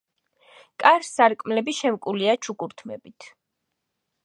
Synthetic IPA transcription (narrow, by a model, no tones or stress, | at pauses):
kʼaɾsːaɾkʼmlɛbiʃɛmkʼuliat͡ʃʰukʼuɾt̪ʰmɛ̰bit̪ʰ